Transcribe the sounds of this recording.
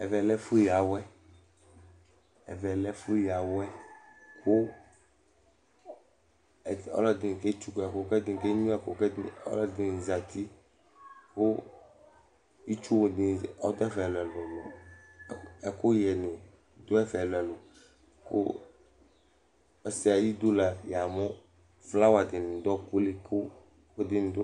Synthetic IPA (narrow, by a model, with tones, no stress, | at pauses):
ɛ˨vɛ˨lɛ˦fi˦ja˨wɛ˦ | ɛ̰˨vɛ˨lɛ˦fi˦ja˨wɛ˦ko˦˨ | ɔ̰˦lɔ˦d̪i˨ke˦t͡ʃu˦kɛ˨ko˨˦kɛ˦d̪ĩ˨ke˦ɲũ˦ɛ˦˨ko˨kɔ̰˦lɔ˦d̪i˨za˨t̪i˦ | ko˦ | i˦t͡ʃu˦wo˨d̪ɪ˨ɔ˦d̪ɔ˦ɛ˦fɛ˨lɛ˨lo˨mɔ̃˨ | ɛ˨ko˦jɛ˨nẽ˨ | d̪o˦ɛ˦flo˨ɛ˨lo˨ | ko˦ | ɛ˦si˦a˨ji˦d̪o˦la˨ja˨mɔ̃˦ | fla˦wa˨d̪ɪ˨ñ˨d̪ɔ˦ku˦le˦ko˦ | wo˦d̪ɪ˦n˨d̪o˦